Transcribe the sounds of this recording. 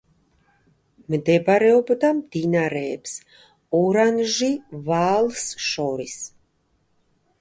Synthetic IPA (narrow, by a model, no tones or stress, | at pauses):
mɨd̪ɛbaɾɛɔbəd̪amd̪̥inaɾɛːps | ɔɾanʒivaːlˠsʃɔɾis